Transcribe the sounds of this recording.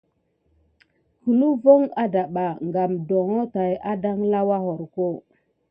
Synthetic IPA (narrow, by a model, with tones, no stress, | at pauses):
hu˨nu˦vo˦ŋa˦da˨ɓa˨ŋɡa˨mdo˨ŋo˦ta˨ja˦da˦ŋla˦wa˦ɦo˨ɾko˦˨